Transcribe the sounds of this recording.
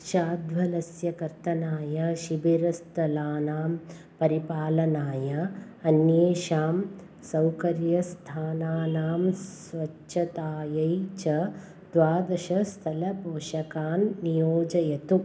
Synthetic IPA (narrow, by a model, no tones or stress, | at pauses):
ʃaːd̪ʋɐlɐsjɐkɐɾt̪ɐnaːjɐʃibiɾɐst̪ʰɐlaːnaːm | pɐɾipaːlɐnaːjɐ | ɐnjeːʃaːm | sɐwkɐɾjɐst̪ʰaːnaːnaːms | ʋɐt͡ʃʃʰɐt̪aːjɐjt͡ʃɐ | d̪ʋaːd̪ɐʃɐst̪ʰɐlɐbʱoːʃɐkaːnːijoːd͡ʒɐjɐt̪u